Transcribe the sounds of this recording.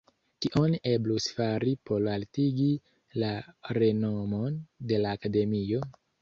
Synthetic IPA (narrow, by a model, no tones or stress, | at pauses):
kiʔone̞blusfaɾipo̞laltiɡi | laɾe̞nomo̞nde̞laːkade̞mio̞